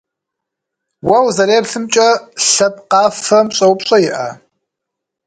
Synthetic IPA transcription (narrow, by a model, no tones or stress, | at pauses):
wɐwzɐɾeːpɬɨmt͡ʃʼɐɬɐpqɑːfɐmɕʼɐwpɕʼɐjɪʔa̰